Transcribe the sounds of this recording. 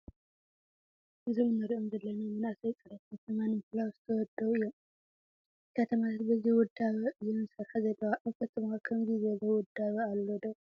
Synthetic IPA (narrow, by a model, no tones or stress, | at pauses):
ʔɨzimɨnɐɾiʔo̞mzɐlːɐnɐmɨnasɐjt͡sʼɨɾɐt̪kʰɐt̪ʰɐmanmɨfɨlawzɨt̪ʰɐwɔd̪ɐwɨjːɛm | kʰɐt̪ʰəmasʰat̪bɐziwɔd̪ːaβɐɨjɛmɨsɐɾħzɐlːɐwaʔɐkʰɐt̪ʰɐmakʰɐmɡizelɐwɔd̪aβɐalːod̪o